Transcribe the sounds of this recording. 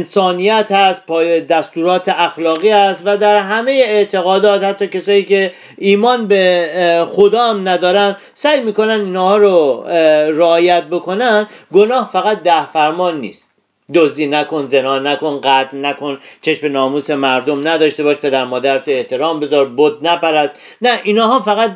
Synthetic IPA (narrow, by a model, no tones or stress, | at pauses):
nsɒːnijæt̪hæst̪̚pʰːd̪æst̪uːɾɒːt̪ʰeæxlɒːɣiːhæst̪væd̪æɾɦæme̞jeːt̪ʰe̞ɣɒːd̪ɒːt̪hæt̪ːɒːcʰesɒːjiːcʰe̞ | iːmɒːnbexod̪ɒːæmnæd̪ɒːɾænd̪ | sæːjmiːko̞næniːnhːhɒːɾo | ɾeɒːjæt̪̚bo̞kʰo̞nænd̪ɡo̞nɒːhfæɣæt̪̚d̪æhfæɾmɒːnːḭːst̪̚ | d̪ozd̪iːnæko̞nze̞nɒːnæko̞nɢæt̪ʰlnækʰont͡ʃʰeʃme̞nɒːmuːse̞mæɾd̪omnæd̪ɒːʃt̪e̞bɒːʃpʰe̞d̪æɾmɒːd̪æɾt̪ʰoe̞ht̪ʰe̞ɾɒːmbe̞zɒɾbod̪̚næpæɾæst̪ | næʔinɒːɦɒːfæɣæt̪̚